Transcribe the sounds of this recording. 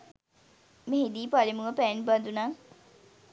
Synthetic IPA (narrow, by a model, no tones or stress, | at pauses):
meɦid̪iːpalimuəpɛːnband̪unaː